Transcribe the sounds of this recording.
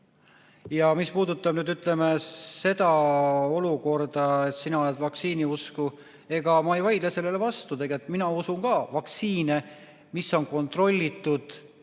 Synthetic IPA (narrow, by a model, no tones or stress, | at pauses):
jɑmispuːd̪ut̪ːˑɑb̥nyːd̪yt̪ːˑle̞me̞se̞d̪ɑo̞luko̞rd̪̥ɑe̞t̪sinɑo̞le̞d̪vɑksiːniusku | e̞ɡ̥ɑmɑejvɑjd̪̥lese̞lːe̞levɑst̪ut̪e̞ɡet̪ˑminɑusuŋkɑːvɑk̪siːne̞ | misːo̞nko̞nt̪ro̞lʲːit̪ːˑud̪̥